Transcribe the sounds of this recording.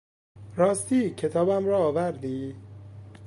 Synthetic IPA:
ɾɒːst̪iːcʰe̞t̪ʰɒːbæmɾɒːvæɾd̪iː

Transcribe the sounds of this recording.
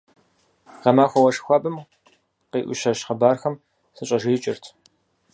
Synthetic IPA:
ʁɐmaːxʷɔwɐʂxʷaːbʼɨm | qeːʔʷʊ̰ʃɐʃχɐbaːrxɐm | sɨɕʼɐʒiːt͡ʃʼɪrtʰ

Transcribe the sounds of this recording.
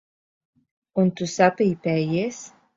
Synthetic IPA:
unt̪usapejpæjes

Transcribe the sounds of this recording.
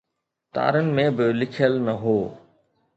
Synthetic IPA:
t̪a̰ːɾənɪ̆mẽbɪlɪkʰjəlnɐɦoː

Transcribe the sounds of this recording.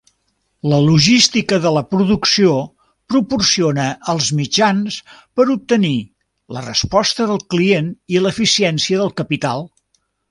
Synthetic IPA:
ləluʒist̪ikəðələpɾuðuksio | pɾupursionəʔːlˠzmid͡ʒanspəɾup̚t̪əni | lərə̰spɔst̪əðəlˠklieniləfisiɛnsiəðəlˠkəpit̪alˠ

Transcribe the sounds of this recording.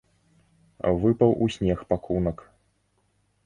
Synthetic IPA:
vɨpɐwʔusʲnʲɛxpakʰunɐk

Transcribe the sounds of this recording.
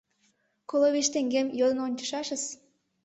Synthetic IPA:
koloβeʃt̪eŋɡemjod̪ə̆nonʲt͡ɕə̥ʃɑʃəs

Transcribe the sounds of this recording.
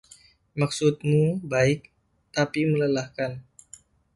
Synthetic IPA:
maksut̪̚mubaɪk̚ | t̪apimələlahkan

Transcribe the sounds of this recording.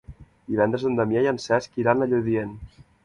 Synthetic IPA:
d̪̥iβɛnd̪ɾezðond̪əmjajansɛskiɾanaʎoðien

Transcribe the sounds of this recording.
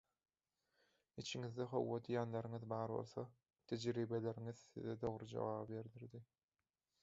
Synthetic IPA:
it͡ʃʰiŋiðd̪eχo̞̰wːod̪ijɑnlˠɑɾɯŋɯðbɑːɾβo̞̰lˠθo | t̪ʰed͡ʒɾiːbelʲe̞ɾiŋiðθḭðed̪o̞ʁɾud͡ʒo̰ʁɑːbbe̞ɾd̪iɾd̪i

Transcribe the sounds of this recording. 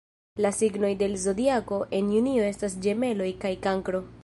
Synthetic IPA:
lasiɡno̞jde̞lzo̞diako̞ʔe̞njunio̞e̞stas̬d͡ʒe̞me̞lo̞jkajkaŋkɾo̞

